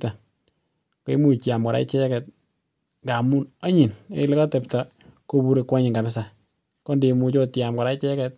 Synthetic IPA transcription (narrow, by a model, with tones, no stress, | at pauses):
ta˨ | ko˦i˦mu˦t͡ʃja˨mkɔ˨ɾa̰˦i˦t͡ʃɛ˦kɛ˨t̚ | ŋɡa˨mu˦na˦ɲi˨ne˦le˦kɔ˦te˨pta˨ | ko˦bu˦ɾe˧kwa˦ɲɪ˨ŋɡa˨mɪ˦s̬a˨ | ko˦nde˨mu˧t͡ʃɔ˦tja˨mkɔ˨ɾa˦i˦t͡ʃɛ˦kɛ˧t̚